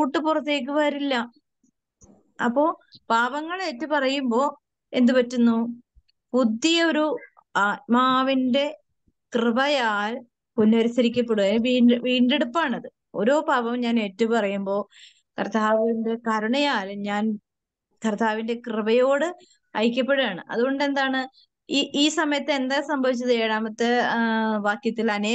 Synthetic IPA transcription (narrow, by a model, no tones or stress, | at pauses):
kuːʈːɨpurɐt̪ːe̞ːk̬ːɨʋaːɾilːɐ | ɐpːo̞ːpaːbɐŋːɐɭeːtːupɐrɐjumbo̞ː | e̞nd̪ɨpɐtːunːu | pud̪ːijɐoɾu | maːʋinde̞ | krɨbɐjaːl | punːɐɾisɐɾikʲːɐpːe̞ɽuaːʋiːʋiːɳɖe̞ɽupːaːɳɐðɨ | o̞̰ɾo̞ːpabɐmɲaːne̞ːtːɐʋpɐrɐjumbo̞ː | kɐrt̪ʰːaːʋɐnde̞kɐɾuɳɐjaːlɲaːn | kɐrt̪ʰaːʋinde̞krɨbɐjo̞ːɽɨ | ɐjikʲːɐp̬ːe̞ɽuaːɳɨʔɐ̰ðuɣo̞ɳɖe̞nd̪aːɳɨ | iʔiːsɐmɐjɐt̪ːɨend̪aːsɐmbʱɐʋit͡ɕːɐðeːɽaːmɐt̪ːeʋaːkjɐt̪ːilɐneː